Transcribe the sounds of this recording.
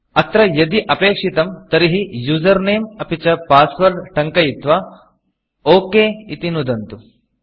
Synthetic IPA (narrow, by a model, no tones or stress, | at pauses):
ɐt̪ɾɐjɐd̪iʔɐpeːkʂit̪ɐmt̪ɐɾiɦijuːzɐɾneːmɐpit͡ʃɐpaːsʋɐɾʈɐŋkɐjit̪ʋɐ | oːkeːit̪inud̪ɐnt̪u